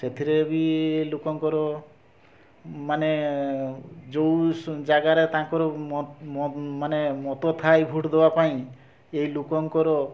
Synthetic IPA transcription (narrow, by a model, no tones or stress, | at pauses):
set̪ʰiɾebilukɔŋkɔɾɔ | mane | d͡ʒowd͡ʒaɡaɾet̪ãŋkɔɾɔmmanemɔt̪ɔt̪ʰajbʱuʈd̪ebapaĩ | eɦilukɔŋkɔɾɔ